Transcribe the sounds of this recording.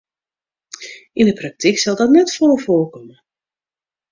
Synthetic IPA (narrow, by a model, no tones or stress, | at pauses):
indəprak̚tiksɔlˠdɔtnɛtfolˠəfoːkɔmə